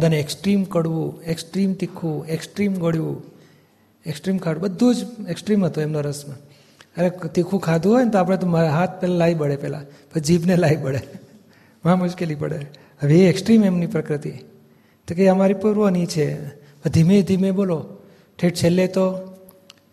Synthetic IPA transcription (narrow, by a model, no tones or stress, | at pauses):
ad̪ʱaneeksʈɾimkəɽʋũeksʈɾimt̪ikʰːũeksʈɾimɡoɽjʋũ | eksʈɾimkʰaɽũbəd̪ʱːud͡ʒeksʈɾimɦət̪oemnoɾəsma | əɾet̪ikʰũkʰad̪ʱũɦojnet̪oapɽ̃et̪̬omaɦat̪̚ʰpɛlalaibəɽepɛla̰ | pəsd͡ʒibnelaibəɽɭe | mãmʊʃkelipə̰ɽe | əʋieeksʈɾimemnipɾəkɾət̪i | t̪ekəəmaɾipuɾʋonit͡ʃʰe | əd̪ʱimed̪ʱimebolo | ʈʰeʈt͡ʃʰelːet̪o